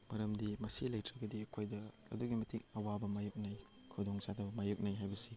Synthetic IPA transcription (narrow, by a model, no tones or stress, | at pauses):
mɐɾɐmdimɐsilɐjtɾɐɡɐdikʰojdɐ̰ː | duɡimɐtʰiŋɐwabɐmajuk̚naj | kʰɐwdoŋsadɐbmajuk̚najɦajbɐsi